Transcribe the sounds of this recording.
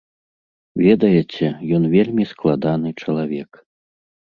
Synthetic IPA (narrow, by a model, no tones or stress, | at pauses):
vʲɛd̪ɐjɛt͡sʲɛjɔnvʲelʲmʲisklˠad̪an̪ɨt͡ʂɐlˠavʲɛk